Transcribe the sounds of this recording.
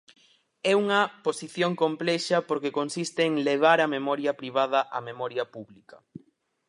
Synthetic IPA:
ɛuŋɐposiθjoŋkomplɛʃɐpoɾkekonsist̪eːŋleβ̞aɾɐmemɔɾjɐpɾiβ̞að̞ɐʔɐmemɔɾjɐpuβlikɐ

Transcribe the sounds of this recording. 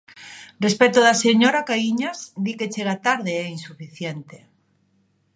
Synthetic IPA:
respɛt̪oðaseɲoɾakaiɲasd̪iket͡ʃeɣat̪aɾðeɛinsufiθjent̪e̥

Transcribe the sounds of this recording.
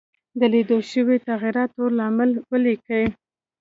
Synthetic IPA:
d̪əled̪oʃəwet̪aɣiɾɑt̪olɑmɪlwəlikəi

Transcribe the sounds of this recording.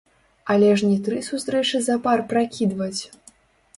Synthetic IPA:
ɐlʲɛʐnʲit̪ɾɨsust̪ɾɛt͡ʂɨzɐparpɾakʲid̪vɐt͡sʲ

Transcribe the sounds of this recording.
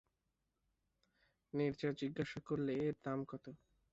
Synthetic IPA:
niɾd͡ʑad͡ʑiɡːaʃakoɾleeɾd̪amkɔt̪o

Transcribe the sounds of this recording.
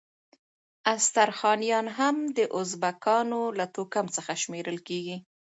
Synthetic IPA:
ast̪aɾxɑnijɑnɦamd̪əʔʊzbakɑnolat̪okamt͡səxaʃmeɾəlkeɡi

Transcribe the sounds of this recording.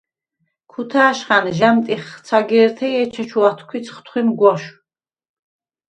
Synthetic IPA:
kʰut̪ʰaːʃχanʒamt̪ʼiχt͡sʰaɡɛɾt̪ʰɛjɛt͡ʃʰɛt͡ʃʰuat̪ʰkʷʰit͡sʰχt̪ʰχʷwimɡʷɔʃ

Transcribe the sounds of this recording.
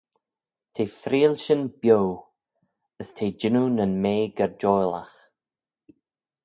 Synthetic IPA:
tʰeːfɾiːlʃənb̥jow | əstʰeːd͡ʒɪnunənmeːɡəɾd͡ʒɔjla̰x

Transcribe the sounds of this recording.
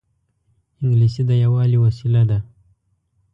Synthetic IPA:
ɪŋɡlisid̪əjawɑliwasilad̪a

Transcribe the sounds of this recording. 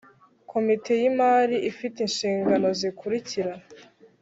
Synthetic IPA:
kʰo̞mitʰe̞jimaːɾiʔifitinʃiːŋɡano̞zikʰuɾiciɾa

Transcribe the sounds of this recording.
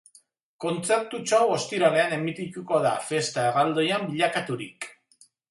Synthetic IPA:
ko̞nt͡se̞ɾt̪ut͡ʃawo̞st̪iɾale̞ane̞mit̪it̪uko̞ða̰fe̞st̪aeɣald̪o̞jambiʎakat̪uɾḭk

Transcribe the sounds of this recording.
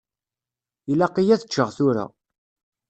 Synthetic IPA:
ilaqijæθət͡ʃːəʁθʊɾa̰

